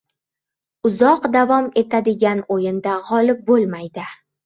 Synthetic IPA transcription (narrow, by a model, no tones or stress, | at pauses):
ʊzɒqd̪avɒme̞t̪ʰad̪ɪɡʲanojɪnd̪aʁɒlɪp̚bolˠmajd̪ɪ